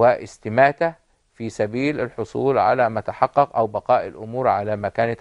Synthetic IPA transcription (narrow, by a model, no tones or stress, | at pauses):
ɪʔɪst̪ɪmæːt̪æ | fiːsæbiːlɪlħosˤṵːlʕa̰læːmæt̪aħɑqːɑqʔæwbɑqɑːʔɪlʔʊmuːɾʕalæːmækæːnɪt̪